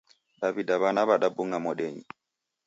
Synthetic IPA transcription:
ɗaβidaβanaβaɗabuŋamɔɗɛɲi

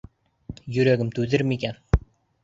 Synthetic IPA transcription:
jɵ̆ɾæɡʲɪmt̪ʉðɘɾmikʲæn

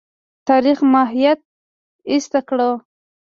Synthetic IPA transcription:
t̪aɾixmaɦijat̪̚ | ist̪akɽə

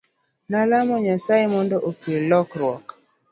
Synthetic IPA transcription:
nalamɔɲasajemɔndɔʔopelɔkɾwɔk

